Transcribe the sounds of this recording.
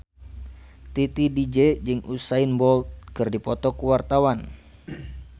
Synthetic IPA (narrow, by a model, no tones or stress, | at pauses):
t̪it̪idid͡ʒed͡ʒɨŋʔusainbɔlt̪̚kɨrdipɔt̪ɔkuwart̪awan